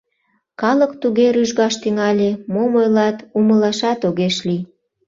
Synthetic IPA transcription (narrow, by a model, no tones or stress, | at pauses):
kɑləkt̪uɣeɾyʒɣɑʃt̪yŋɑlʲemomojlɑt̪uməlɑʃɑt̪oɣeʃli